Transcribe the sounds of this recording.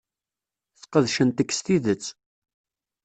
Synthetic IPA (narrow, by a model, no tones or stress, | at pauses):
θqəðʃənt̪əkːst̪iðət͡sː